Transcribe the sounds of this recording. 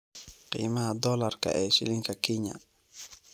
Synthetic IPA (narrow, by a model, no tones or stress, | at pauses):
qḭːmɐhɐd̪ɔlɐrkʰɐ̰ʔɛːʃɪ̰lɪŋkʰɐkʰɪɲa̰